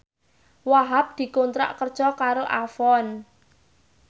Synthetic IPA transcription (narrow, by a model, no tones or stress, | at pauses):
waɦap̚d̪̥i̤kont̪ɾa̰ʔkərd̥ʒ̥ɔkaɾoʔafɔn